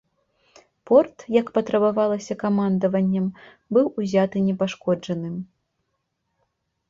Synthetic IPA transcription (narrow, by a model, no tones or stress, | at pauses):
pɔrt̪jɐkpɐt̪ɾɐbavalˠɐsʲɐkamand̪ɐvɐnʲːɐm | bɨwuzʲat̪ɨnʲɛpaʂkɔd͡ʐɐnɨm